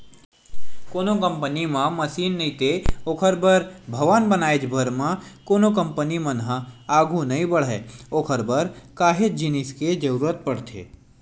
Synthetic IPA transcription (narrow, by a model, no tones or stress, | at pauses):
koːnokə̃mpənimãmɐsiːnːɐɦĩt̪ʰeoːkʰəɾbəɾbʱɐʋaːnbənaːed͡ʒbʱəɾmãkoːnokə̃mpənimənɦə̃aːɡʱũnɐɦĩbəɽɦɛokʰəɾbəɾkaːɦed͡ʒinɪsked͡ʒəɾuːɾət̪̚pəɽt̪ʰḛː